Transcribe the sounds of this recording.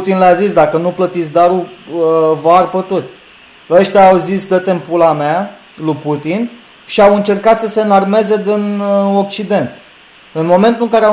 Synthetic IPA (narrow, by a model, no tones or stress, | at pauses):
ut̪inleazisd̪akənuplət̪it̪sʲd̪aɾuəvarpət̪ut̪sʲ | əʃt̪ʲaːwzisd̪ət̪e̞mpulamea | luput̪in | ʃiawɨnt͡ʃe̞rkat̪səse̞narme̞ze̞d̪ino̞kt͡ʃid̪e̞nt̪ | ɨnmo̞me̞nt̪uɨŋkaɾea